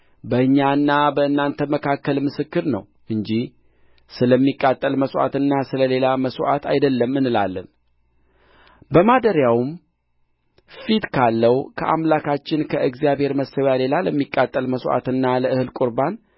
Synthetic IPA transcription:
bəɨɲːaɨnːabəɨnːant̪ʰəməkʰakːəlmɨsɨkːɨɾnə̰w | ʔɨɲd͡ʒih | sɨləmːikʼːat̪ʼːəlməsʔa̰t̪ɨnːasɨləle̞laməsʔa̰t̪ʰajd̪əlːəmːɨnːɨla̰lːə̰n | bəmad̪əɾjawum | fit̪kʰalːəwkʰəʔamlakʰat͡ʃːɪnkʰəɨɡzijaβhe̞ɾməsəβjale̞laləmːikʼːat̪ʼːəlməsʔa̰t̪ɨnːaləʔɨhɨlkʼʊɾban

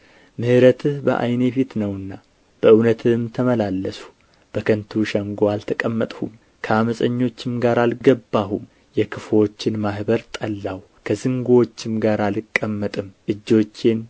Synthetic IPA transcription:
mɨhɨɾət̪ʰɨhbə̰ʔa̰jnebet̪nəwɨnːa | b̥əɨwnət̪ʰɨmt̪ʰəməlalːəsu̥ | b̥əkʰənt̪ʰuʃəŋɡoalt̪ʰəkʼəmːət̪ʼhṵm | kʰəaməsʼəɲːo̞t͡ʃːɪmɡaɾalɡəbːaɦum | jɛkʰɨfo̞t͡ʃːɪnmahbəɾt̪ʼəlːaw | kʰəzɨŋɡwot͡ʃːɪmɡaɾalɨkʼːəmːət̪ʼɨmʔɨd͡ʒːo̞t͡ʃːen

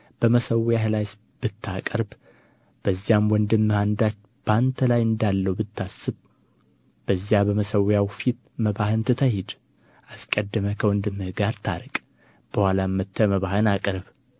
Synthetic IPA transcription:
b̥əməsəwjahlajs | b̥ɨt̪ːakʼəɾb | b̥əzːijamwɔnd̪ɨmːɨhand̪at͡ʃ | b̥ant̪ʰəlajɨnd̪alːəwbɨt̪ʰːasːɨβ | b̥əzjabəməsəwjawfit̪ | məβahɨnt̪ʰɨt̪ʰəhid̪ | ʔaskʼəd̪ːəməkʰəwɔnd̪ɨmːɨhɡaɾt̪ʰaɾɨkʼ | b̥əhʷalamːət̪ʰːəməβahɨnakʼɾβ

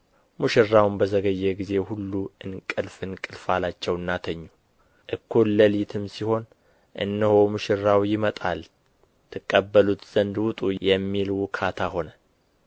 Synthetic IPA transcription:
muʃɪrːawnbəzəɡəjːɛɡize̞hulːuɨnkʼɨlfɨnkʼɨlfalat͡ʃːɛwɨnːat̪ʰəɲːu | ʔɨkʰːunləlit̪ʰɨmsiho̞n | ʔɨ̰nːəhomɨʃɪrːawjɪmət̪ʼal | t̪ʰɨkʼːəbːəlut̪z̥ənd̪wʊt̪ʼujɛmːilwʊkʰat̪ʰaho̞nə

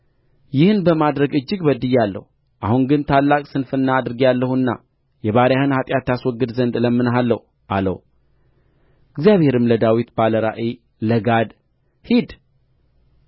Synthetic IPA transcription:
jɪhɨnbəmad̪ɾəɡɨd͡ʒːɪɡbəd̪ɨjalːə̰hu | ʔahuŋɡɨnt̪ʰalːakʼsɨnfɨnːaːd̪ɾɨɡialːəhuɨnːa̰ | jɛβaɾjahɨnhat̪ʼjat̪ːaswɔɡɨd̪zənd̪ɨləmːɨnɦalːəhu | ʔalə̰w | ɨɡzjaβhe̞ɾɨmləd̪awit̪baləɾaʔe | ləɡad̪ | hid̪

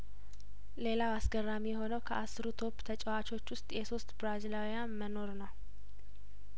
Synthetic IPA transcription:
le̞lawasɡərːamijɛho̞nəwkʰəʔasːɨɾut̪ʰo̞pːt̪ʰət͡ʃʼəwat͡ʃʰo̞t͡ʃːwʊst̪ʼjɛso̞st̪ʼbɾazilawijanməno̞ɾnəw

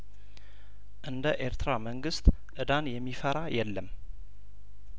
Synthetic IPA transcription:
ʔɨnd̪əʔeɾt̪ɾaməŋɡɨst̪ʔɨd̪anjɛmːifəɾajɛlːəm

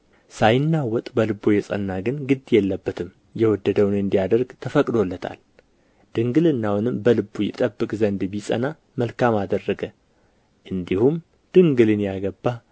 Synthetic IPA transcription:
sajɪnːawɔt̪ʼbəlɨbːojɛsʼə̰nːaɡɨnɡɨd̪jɛlːəbːət̪ʰɨm | jɛwɔd̪ːəd̪əwnɨnd̪ijad̪əɾɡt̪ʰəfəkʼd̪o̞lːət̪ʰa̰l | d̪̥ɨŋɡɨlɨnːawnɨmbəlɨbːujɪt̪ʼəbːɨkʼzənd̪bisʼə̰na | məlkamad̪ərːəɡə | ʔɨnd̪ihum | d̪̥ɨŋɡɨlɨnjaɡəbːa

